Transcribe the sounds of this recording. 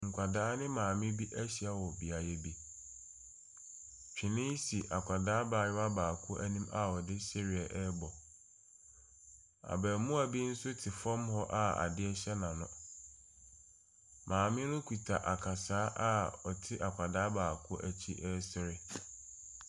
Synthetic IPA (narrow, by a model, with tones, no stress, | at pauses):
ŋ̩˨kʷʰa˨daː˨˦nɪ̃˦mãː˨mɪ̃˦bi˦ʔæ˦ɕi˨a˨wɔ˨bi˨a˨jɛ˦bi˦ | t͡ɕᶣɪ̃˨nɪ̃˦si˨ʔa˨kʰʷa˨daː˦baː˨ɲɪ˦a˦baː˨kʰɔ˦ʔæ˦nĩ˦ma˦ɔ˨dɪ˦sɛ˦ɾɪ˨ɛ˨ʔɛ˦bɔ˨ | a̰˨bɛ˨mũ˦æ˨bi˦n̩˦sʊ˦tʰɪ˨fɔ̃˦mhɔ˦ʔa˦a̰˨dɪ˦ɛ˦ɕɛ˦nã˨nʊ̃˦ | mʔãː˨mɪ̃˦nʊ̃˦kʰu˨tʰa˨ʔa˨kʰa˨saː˨˦ʔa˦ɔ˨tʰɪ˦ʔa˨kʷʰa˨daː˨˦baː˨kʰʊ˦o̰˦ʔæ˨t͡ɕʰi˦ʔɛ˦sɪ˦ɾɪ˦